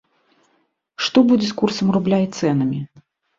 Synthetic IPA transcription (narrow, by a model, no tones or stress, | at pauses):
ʂt̪ɔbud͡zʲɛskursɐmrublʲait̪sɛnɐmʲi